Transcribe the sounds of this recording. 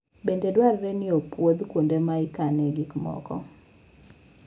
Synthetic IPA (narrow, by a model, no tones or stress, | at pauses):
bendedwarɾɛnɪopwod̪kwondemaɪkanɛɡɪkmɔ̰kɔ̰